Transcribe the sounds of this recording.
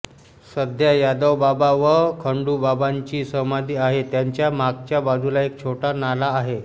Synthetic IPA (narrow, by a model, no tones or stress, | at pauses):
səd̪ʱjajad̪əwbabaʋəkʰəɳɖuːbabaɲt͡ɕiːsəmad̪iːaɦet̪jaɲt͡ɕjamaɡt͡ɕjabad͡zʱulaek̚t͡ɕʰoʈanalaːɦe